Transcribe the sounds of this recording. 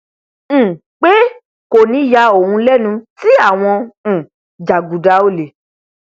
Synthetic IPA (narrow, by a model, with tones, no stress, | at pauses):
k͡pe˦ | ko˨nĩ˨˧˦ja˧o˨hũ˧lɛ˦˨nũ˧ti˦a˦˨w̃ɔ̃˧˨ | d͡ʒa˨ɡu˨da˨˦o˦˨le˨